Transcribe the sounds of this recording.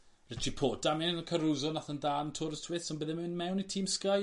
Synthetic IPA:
rɛtʰipʰoːd̥amɛnnəkʰəɾuzɔnaθəndaːntʰʊɾə̥tʰwɪθsɔnbəðɛmɨnmɛwnitʰiːmskaj

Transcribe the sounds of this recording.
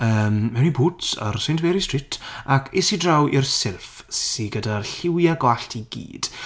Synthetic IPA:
əːmmɛwnibutsə̰rsɪntvɛɾistrɪtʰakʰɪsidrawʔirsɪlˠf | ssiɡədarɬɪwjaɡwaɬtʰiɡḭːd̥

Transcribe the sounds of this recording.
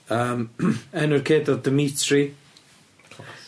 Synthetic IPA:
əːmɛnʊrkʰeːdɔdəmitʰri

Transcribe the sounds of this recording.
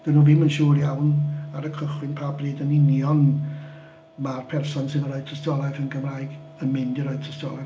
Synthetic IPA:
d̥ənuːvɪmənʃuːrjawnaɾəkʰəχwɪnpʰabriːdənɪnjɔn | marpʰɛrsɔnsɪnəɾɔ̥ːtʰəstɔlˠajðənɡəmraːjɡ | ənmɪndiɾɔɨð̚tʰəstɔlˠaj

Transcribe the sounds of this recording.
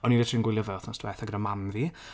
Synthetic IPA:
ɔniːvetʰrinɡwɪlˠjəvɛθnɔstʰwɛθaɡəɾəmanði

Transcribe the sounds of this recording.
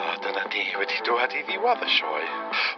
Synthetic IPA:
adənaniːwɛdiduːadiðɪwaðəʃɔ̰j

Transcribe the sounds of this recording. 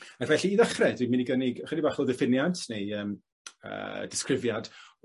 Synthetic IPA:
akʰvɛɬiːðəχrɛdwiminiɡənɪɡχənibaχɔðɛfɪnjadnejəːm | ə̰d̥ɪskrɪvjad̥

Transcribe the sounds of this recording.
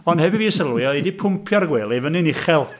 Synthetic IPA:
ɔndhɛvɪviːəsəlˠwɪɔejdipʰʊmpʰjarɡweːlˠevənɨnɪχɛlˠ

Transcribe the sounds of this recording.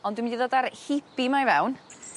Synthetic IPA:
ɔndwmdiðoːdarhɪpimajvɛwn

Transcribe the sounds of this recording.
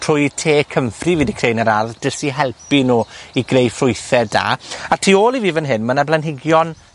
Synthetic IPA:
r̥ʊːjtʰeːkʰəmfriviːdikʰrejnəɾarðd̥əsiɦɛlˠpinuːiɡrejfrʊjθɛda̰atʰiːoːlˠiviːvənɦɨnmənablˠɛnɦɪɡjɔn

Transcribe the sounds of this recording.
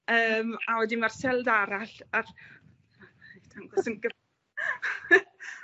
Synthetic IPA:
əːmawɛdimar̥sɛlˠdaɾaɬar | etʰamɡɔsənɡə

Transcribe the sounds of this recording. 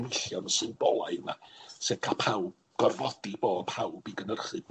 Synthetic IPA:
nɪɬjɔnsɨnbɔlˠa̰jðna̰sekʰapʰawb | ɡ̥ɔrvɔdiboːpʰawbiɡənərχɨb

